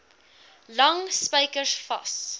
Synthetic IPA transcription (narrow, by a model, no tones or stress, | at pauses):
lɐŋspəjkəsfɐ̰s